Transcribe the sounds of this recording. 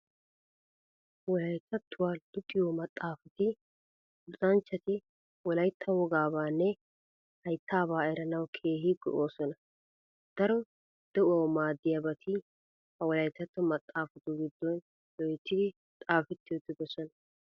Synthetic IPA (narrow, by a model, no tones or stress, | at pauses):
wɔlɐjt̪ːɐt̪ʰːʊwaːd̪̥ʊt̪ʼːɪjɔmɐt̪ʼːaːfɐt̪ɪ | zʼɐnt͡ʃːɐt̪ɪ | wɔlɐjt̪ʰːɐwɔɡaːbaːnːɛ | hɐjt̪ːaːbaːɛɾɐnɐwkʰe̞ːɦɪɡɔ̰ʔoːsɔnɐ | d̪̥ɐɾɔ | d̪̥ɛʔaːwmaːd̪ːɪjabɐt̪ʰi | hɐwɔlɐjt̪ːɐt̪ːʊmɐt̪ʼːaːfɐt̪ʊɡɪd̪ːɔn | dɔjɛt̪ːɪd̪ɪ | t̪ʼaːfɛt̪ːɪjɔt̪ːɪbɛsɔnɐ